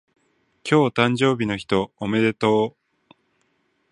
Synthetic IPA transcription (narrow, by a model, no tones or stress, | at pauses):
kʲʰo̞ːt̪ãɲ̟d͡ʑo̞ːbʲino̞çi̥t̪o̞ːme̞d̪e̞t̪o̞ː